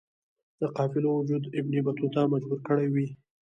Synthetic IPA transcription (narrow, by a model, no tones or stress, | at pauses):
d̪̥əqɑfɪlowʊd͡ʒud̪ɪbnibat̪ut̪amad͡ʒbuɾkəɽajwi